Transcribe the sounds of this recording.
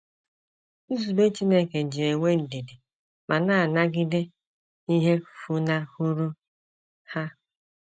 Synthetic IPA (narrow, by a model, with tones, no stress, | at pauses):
u˦zu˨be˦t͡ʃi˦ne˦ke˨d͡ʒi˨e˨ŋʷe˦n̩˨de˨de˨ | ma˨na˦a˨na˦ɡɪ˦dɪ˦ | i˦ɦe˦˨fu˦na˦hu˦ɾu˦ | ha˦